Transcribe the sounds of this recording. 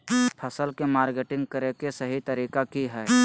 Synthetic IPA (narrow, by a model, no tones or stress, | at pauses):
pʰəsəlkemaːɾɡeːʈɪ̃ŋɡ̚kəɾekesəɦit̪əɾiːkakiɦɛː